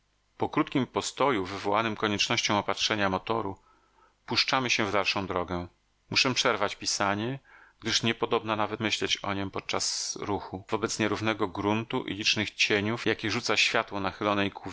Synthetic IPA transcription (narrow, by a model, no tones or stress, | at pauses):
pɔkɾut̪kʲimpɔst̪ɔjuvɘvɔwanɘmkɔɲɛt͡ʂnɔɕt͡ɕɔ̃w̃ɔpatʂɛɲamɔt̪ɔɾu | puʂt͡ʂamɘɕɛvd̪alʂɔ̃w̃d̪ɾɔɡɛ | muʂɛpʂɛɾvat͡ɕpʲisaɲɛɡ̚d̪ɘʂɲɛpɔd̪ɔbnanavɛt̪mɘɕlɛt͡ɕɔ̰ɲɔpɔt̪̚t͡ʂasɾuxuvɔbɛt̪sɲɛɾuvn̪ɛɡɔɡɾunt̪uʔḭlʲit͡ʂnɘxt͡ɕeɲufjakʲɛʐut̪saɕfʲjat̪wɔnaxɘlɔnɛjkwuv